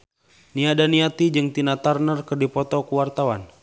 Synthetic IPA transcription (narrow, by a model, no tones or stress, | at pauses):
niadaniat̪id͡ʒɨŋt̪inat̪arnərkɨrdipɔt̪ɔkuwart̪awan